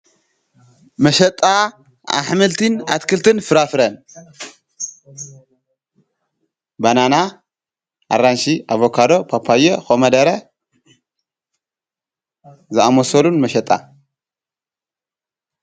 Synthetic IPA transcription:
mɐʃɐt̪ʼa | ʔa̰ħmɨlt̪ʰɨna̰t̪kʰɨlt̪ʰɨnfɨɾafɨɾɐn | banana | ʔa̰ɾanʃiʔaβokʰad̪o̞pʰapʰajɛxomɐd̪ɐɾɐ | zɨʔamosɐlunmɐʃɐt̪ʼa̰

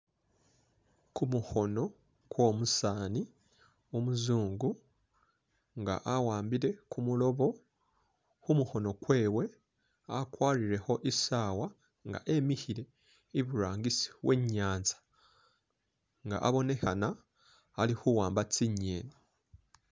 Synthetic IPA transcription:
kumuho̞no̞ | kwo̞ːmusaːni | omuzuːŋɡu | ŋɡa̰ʔawaːmbiɾe̞kumulo̞βo̞ | kumuho̞no̞kwe̞ːwe̞ | akwaːɾiɾe̞ho̞ʔisaːwa | ŋɡa̰ʔe̞mihiɾe̞ | iβuɾaːŋɡisi̥βwʔe̞ɲːaːnzḁ | ŋɡa̰ʔaβo̞ne̞hanaː | lihuwaːmbat͡siɲeːni

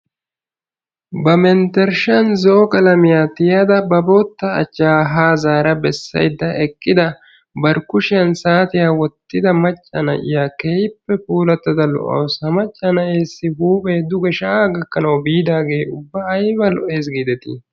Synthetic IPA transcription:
bɐmɛnt̪ɛɾʃɐnzɔʔɔkʼɐlɐmɪjaːt̪ɪjɐd̪ɐbɐboːt̪ːɐ̰ːt͡ʃːaːɦaːzaːɾɐbɛsːɐ̰jd̪ːɐʔɛkʼːɪd̪ɐ | bɐɾkʊʃɪjɐnsaːt̪ɪjaːwɔt̪ːɪd̪ɐmɐt͡ʃʼːɐnɐ̰ʔɪ̰jaːkeːjɪpːɛpuːlɐt̪ːɐd̪ɐlɔ̰ʔɐ̰wsɐmɐt͡ʃʼːɐnɐʔeːsːɪhuːbeːd̪ʊɡɛʃɐɡɐkːɐnɐwbiːd̪aːɡe̞ːʊbːɐːjbɐlɔʔeːs̬ɡid̪ɛt̪ɪ̰

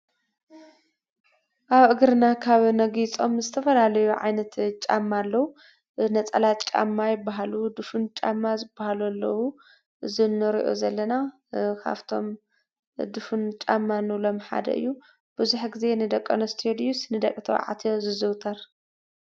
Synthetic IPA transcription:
ʔaβʔɨɡɾɨnakʰaβnɐɡit͡sʼo̞mzɨt̪ʰɐfɐlalɐjuʕa̰jnɐt̪t͡ʃʼa̰mːalːɐwu | nɐt͡sʼɐ̰lat̪t͡ʃʼa̰mːajɪbːaɦalud̪ufunt͡ʃʼa̰mːazɨbːahalulːɐwu | ɨzɨnːɨɾḭʔo̰zɐlːɐna | kʰa̰βt̪ʰo̞m | d̪ufunt͡ʃʼamːanɨwlo̞mħa̰d̪ɐ̰ʔɨ̰jːu | b̥ɨzuħɡize̞nɨd̪ɐkʼːonɐst̪ʰod̪iusnɨd̪ɐkʼːt̪ʰɐw̰ʕa̰t̪ʰjozɨzɨwt̪ʰɐɾ

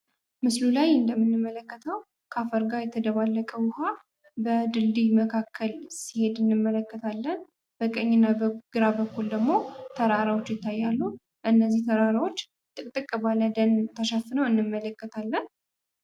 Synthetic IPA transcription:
mɨslulajɨnd̪əmːɨnːɨmːələkːət̪ʰəw | kʰafəɾɡajɛt̪ʰəd̪əβalːəkʼəwʊha | bəd̪ɨld̪ijməkʰakʰːəlsi̥he̞d̪ɨnːɨmːələkːət̪ʰalːən | b̥əkʼəɲːɪnːabəɡ̥ɨɾabəkːuld̪əɡmo̞t̪ʰəɾaɾawot͡ʃːjɪt̪ʰːajːalːu | ʔɨnːəzːiht̪ʰəɾaɾawo̞t͡ʃː | t̪ʼɨkʼt̪ʼɨkʼːəbalːəd̪ənt̪ʰəʃafɨnəwɨnːɨmːələkːət̪ʰalːən

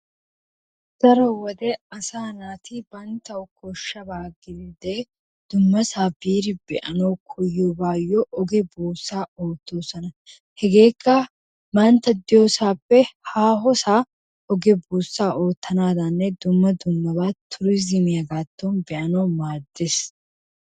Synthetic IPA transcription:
d̥ɐɾɔwɔd̪ɛɐsaːnaːt̪ɪbɐnt̪ɐwʊkʰɔʃːɐbaːɡɪd̪id̪e | d̪̥ʊmːɐsaːbiːɾɪbɛʔɐnɐwkʰɔjːɔbaːjːɔʔɔɡɛbuːsːaːoːt̪ːoːsɔnɐ | hɛɡe̞ːkːɐ | mɐnt̪ɐd̪ɪjoːsaːpːɛhaːɦɔsaː | ɔɡɛbuːsːaːʔo̞ːt̪ːɐnaːd̪ɐnːɛd̪ʊmːɐd̪ʊmːɐbat̪ʰːʊɾɪzɪmɪjɐɡaːt̪ːonbɛʔɐnomaːd̪ːes

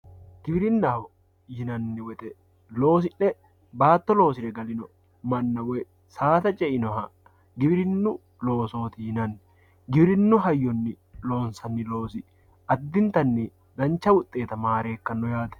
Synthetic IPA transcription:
ɡ̥ɪbɪɾɪnːɐhɔ | jɪnɐnːɪwɛt̪ʼɛ | lo̞ːs̬ɪnnɛ | baːt̪ːɔlo̞ːsɪɾɛɡɐlɪnɔ | mɐnːɐwɛ | saːt̪ɐt͡ʃʼɛɪnɔɦɐ | ɡɪbɪɾɪnːʊ | lo̞ːso̞ːt̪ɪhɪnɐnːɪ | ɡɪbɪɾɪnːʊɦɐjːɔnːɪ | lo̞ːnsɐnːɪlo̞ːsɪ | ʔɐd̪ːɪnt̪ɐnːi | d̪ɐnt͡ʃːɐwʊt̪ʼːe̞ːt̪ɐmaːɾe̞ːkːɐnːɔjaːt̪ɛ̥

